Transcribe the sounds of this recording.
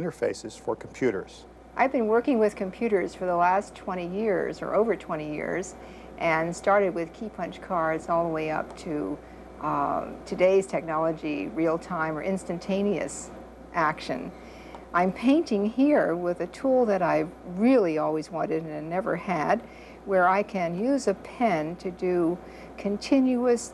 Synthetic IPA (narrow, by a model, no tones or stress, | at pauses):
ɪ̃ñə˞fḛɪsɨz̥fə̰˞kʰm̩pʰj̥ʉɾə̰˞z̥ | ʔaɪvbɨ̃nwɜ˞kɪ̃ŋwɪð̥kʰɨ̃mpʰj̥ʉɾə˞z̥fə˞ðəlæstʰw̥ɛ̃ɾ̃ijɪɹzə̰˞ʔoʊvə˞tʰw̥ɛ̃ɾ̃ijɪ̰ɹz | ʔɨ̃nstɑɹɾɨd̚wɨð̥kʰipʰʌ̃nt͡ʃkʰɑɹdz̥ɔlˠðəweɪʌ̰p̚tʰɨ | tʰɨdeɪz̥tʰɛk̚nɑlˠəd͡ʒḭɹilˠtʰãɪ̃mə̰˞ʔɪ̃nstɨ̃ntʰẽɪ̃ñiɨ̰s | ʔækʃɨ̰̃n | ʔãɪ̃mpʰẽɪ̃ntɪ̃ŋhiɹwɪðɨtʰulˠðɨɾaɪɹɪlˠiɔlˠwizwɑ̃ɾ̃ɨɾɨ̃nnɛvə̰˞ɨd̚ | wə˞aɪkʰɨ̃njʉzɨpʰɛ̃ntʰɨdɨ | kʰɨ̃ntʰɪ̃njʉɨs